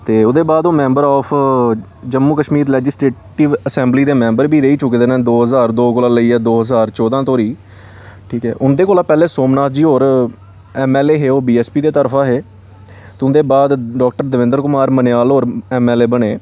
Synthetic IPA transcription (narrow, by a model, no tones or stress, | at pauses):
t̪eːʊd̪eːbaːd̪oːmɛ̃ːmbəɾɔːpʰ | d͡ʒəmːuːkəʃmiːɾlɛːd͡ʒɪsɾeːʈɪʋəsɛ̃ːmbliːd̪eːmɛ̃ːmbəɾbʱiːɾəiːt͡ʃʊkːd̪eːnẽːd̪oːɦəzaːɾd̪oːkolãːləiːɛːd̪oːɦəzaːɾt͡ʃɔːd̪ãːt̪oːɾiː | ʈʰiːkɦɛ̰ːʔʊnd̪eːkoːlaːpɛːleːsoːmnaːt̪ʰd͡ʒiːɦoːɾ | ɛːmɛːleːɦeːoːbiːɛːspiːd̪eːt̪əɾpʰãːɦeː | t̪ːʊnd̪eːbaːd̪ɖɔːk̚ʈəɾd̪əʋɪ̃nd̪əɾkʊmaːɾməneaːlɦoːɾɛːmɛːleːbəɽeː